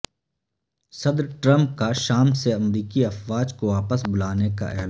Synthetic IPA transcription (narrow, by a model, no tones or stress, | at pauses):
sɐd̪ɾʈɾɐ̃mp̚kaʃaːmseɐmɾiːkiɐfʋaːd͡ʒkoaːpəsbʊlaːneka̰ʔɛ̰ːl